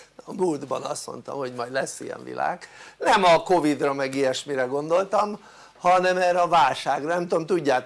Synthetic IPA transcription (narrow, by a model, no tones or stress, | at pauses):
ɒmuld̪bɒ̰nɒst̪mo̞̰nt̪ɒ̰mho̞ɟmɒjdlɛsːijɛ̰ɱvḭla̰ːɡ̥nɛmɒko̞vid̪rɒmɛɡijɛʃmiɾɛɡo̞nd̪o̞lt̪ɒm | hɒnɛmɛːɾɛɒvaːlʃaːɡrɒnɛmt̪omt̪uɟːaːt̪